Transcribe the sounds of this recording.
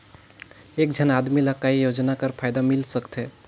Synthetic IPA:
ek̚d͡ʒʱənad̪miləkːaijod͡ʒnakəɾpʰajd̪amilsəkt̪ʰɛ

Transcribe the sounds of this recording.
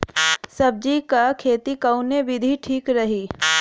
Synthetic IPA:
sɐb̚d͡ʒikakʰeːt̪ikɐʊnebɪd̪ʱiʈʰiːkɾɐɦiː

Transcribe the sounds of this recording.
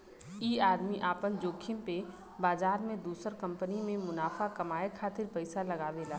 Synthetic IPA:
iːaːd̪miʔaːpənd͡ʒoːkʰimpe | baːzaːɾmẽd̪uːsəɾkɐ̃mpənimẽmʊnaːfakɐmaːekʰaːt̪ɪɾpɐɪsalɐɡaːʋeːlaː

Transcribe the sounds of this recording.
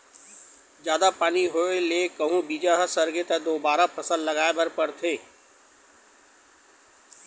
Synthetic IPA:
d͡ʒjaːd̪apaːniɦoːeleːkəɦũbiːd͡ʒaɦəsəɾɡet̪ɐd̪oːbaːɾapəsə̃nd̪ləɡaːebəɾpəɾt̪ʰeː

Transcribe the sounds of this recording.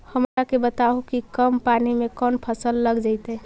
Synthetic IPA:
həmɾakebət̪aɦukikəmpanimekɔnpʰəsəlːəɡd͡ʒaɪt̪ɛ

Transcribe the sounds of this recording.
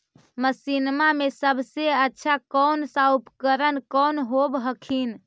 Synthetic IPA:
məsinmamesəbʱseətːʃʰakɔnsaupkəɾənkənɦobɦəkʰin

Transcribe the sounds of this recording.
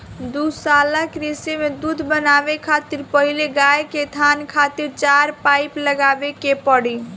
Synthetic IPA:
d̪usalakɾisemed̪ud̪ʱbənabekʰat̪iɾpəɦileɡaeket̪ʰankʰat̪iɾt͡ʃaɾpajpləɡabekepəɽi

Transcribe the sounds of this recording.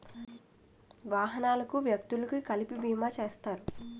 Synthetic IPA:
ʋaːɦɐnaːlɐkuʋjɐk̚t̪ulɐkikɐlipibiːmaːt͡ʃeːst̪aːɾu

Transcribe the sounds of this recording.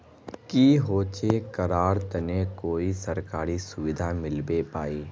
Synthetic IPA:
kiːɦoːt͡ʃekɐɾaːɾt̪ɐnekoːisɐɾkaːɾisʊʋɪd̪ʱamɪlbepaːiː

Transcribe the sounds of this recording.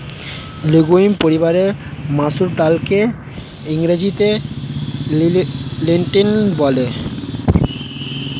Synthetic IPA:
luɡoimpoɾibaɾemasuɾʈalke | iŋɾed͡ʑit̪e | leɳʈinbɔle

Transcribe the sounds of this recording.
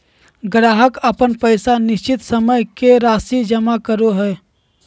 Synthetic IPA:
ɡɾaːɦəkəpənpəɪsanɪʃt͡ʃɪt̪səməjkeɾaːsid͡ʒəmakəɾoɦɛː

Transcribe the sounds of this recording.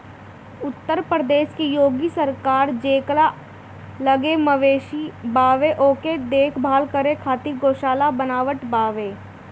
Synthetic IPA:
ʊt̪ːəɾpɾəd̪eːʃkejoːɡisəɾkaːɾd͡ʒeːkla | ləɡeməʋeːʃibaːʋeʔoːked̪eːkʰbʱaːlkəɾekʰaːt̪iɡoːʃaːlabənaːʋəʈbaːʋeː

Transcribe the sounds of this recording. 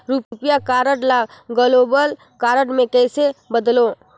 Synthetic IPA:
ɾuppjakaːɾəʈlaɡəloːbəl | kaːɾəʈmẽkɛːsebəd̪loː

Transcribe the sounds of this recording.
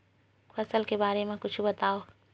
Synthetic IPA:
fʰɐsəlkebaːɾemẽkʊt͡ʃʰbɐt̪aːo

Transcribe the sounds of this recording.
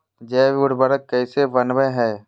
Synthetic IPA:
d͡ʒɛːʋʊɽbəɾət̪̚kɛːseʋɐnʋəɦɛː

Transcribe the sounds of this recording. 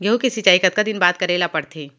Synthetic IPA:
ɡɐɦukɪsit͡ʃaːikɐt̪̚kad̪ɪnbaːt̪̚kɐɾeːlapɐɽt̪ʰeː

